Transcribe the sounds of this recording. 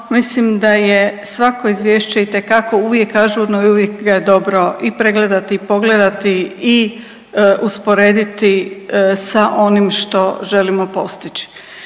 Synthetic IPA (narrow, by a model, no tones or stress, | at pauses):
mislimd̪ajesʋako̞izʋjeːʃt͡ɕeit̪e̞kako̞uʋje̞kːaːʒuod̪noiuʋjekɡajed̪o̞bɾo̞ʔipɾe̞ɡled̪at̪iːpo̞ɡle̞d̪at̪ii | uspo̞ɾe̞ːd̪it̪isaʔo̞nimʃt̪o̞ʒe̞limo̞po̞st̪it͡ɕi̥